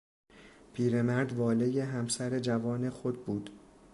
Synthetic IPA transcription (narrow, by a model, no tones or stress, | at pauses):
pʰiːɾe̞mæɾd̪vɒːle̞je̞ɦæmsæɾe̞d͡ʒævɒːne̞xod̪̚buːd̪